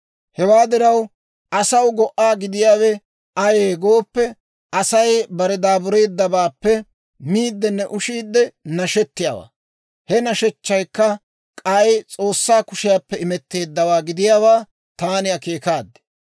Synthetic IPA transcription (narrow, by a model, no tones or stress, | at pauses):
hɛwaːd̪ɪɾɐw | ʔɐsɐwɡɔʔaːɡɪd̪ɪjaːwɛ | ʔɐjeːɡo̞ːpːɛ | ʔɐsɐjbɐɾɛd̪aːbʊɾe̞ːd̪ːɐbaːpːɛ | miːd̪ːɛnːɛʔʊʃiːd̪ːɛnɐʃɛt̪ːɪja̰ːwa̰ː | hɛnɐʃɛt͡ʃːɐjkːɐ | kʼɐjt͡sʼo̞ːsːaːkʊʃɪjaːpːɛɪmɛt̪ːe̞ːd̪ːɐwaːɡɪd̪ɪjaːwaː | t̪aːnɪɐkeːkaːd̪ːɛ̥